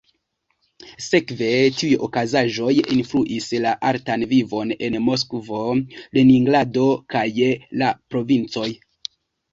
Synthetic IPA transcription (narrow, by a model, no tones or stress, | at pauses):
se̞kve̞tiujokazaʒo̞jinfluʔislaʔaɾtanvivo̞ne̞nmo̞skvo̞leniŋɡlado̞kajlapɾo̞vint͡so̞j